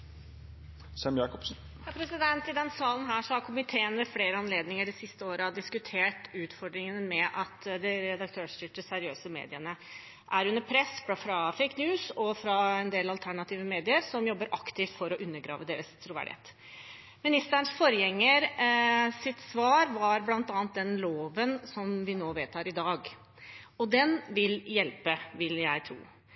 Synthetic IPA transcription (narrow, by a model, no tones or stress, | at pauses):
sɛmjɑːkɔpsn̩ | jɑpʰɾɛsɪd̪ɛnt̪ɪd̪ɛnsɑːlənɦæːʂɔhɑɾkʰʊmɪt̪ʰeːənmɛfleːɾəɑnleːd̪nɪŋəɖɛsɪst̪əoːɾəɑd̪ɪskʉt̪ʰeːʈʉːt̪fɔɖɾɪŋənəmɛʔɑt̪d̪ɪɾɛd̪ɑk̚t̪ʰøːʂʏʈ̪əsæɾɪøːsəmḛːd̪ɪənə | ʔæɾʉnːəɾpʰɾɛsffɾɑfɛɪknjʉːsɔfɾɑɛnd̪eːlɑlt̪ʰæɳɑt̪ʰiːʋəmeːd̪ɪəɾsɔmjɔbːəɾʔɑkt̪ʰɪft̪fɔɾɔʔʉnːəɡɾɑ̰ːʋəd̪eːɾəst̪ʰɾʊʋæ̰ɖɪhḛːt̪ | mɪnɪst̪əəɳsfɔɾjɛŋːəɾ | sɪt̪sʋɑːɾʋɑɾblɑnt̪ɑːnt̪̚d̪ɛnloːʋənsɔmʋɪnoːʋeːt̪ʰɑːɾɪd̪ɑːɡ | ɔd̪ɛnʋɪljɛlpəʋɪljæɪt̪ʰɾṵː